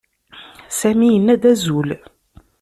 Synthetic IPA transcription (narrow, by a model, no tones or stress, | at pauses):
sæmijənːæd̪æzul